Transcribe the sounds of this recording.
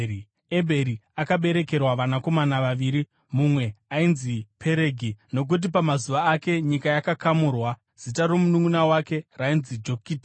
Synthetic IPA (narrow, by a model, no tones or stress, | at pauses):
ebʱe̞ɾiakaɓe̞ɾe̞ke̞rwaʋanako̞manaʋaʋiɾi | mumwe̞ainzipʰe̞ɾe̞ːɡʱino̞k̬ut̬ipamazuʋaːke̞ɲikajakakamurwa | z̥itaɾo̞munuŋunawake̞rainzid͡ʒo̞kiːtḁ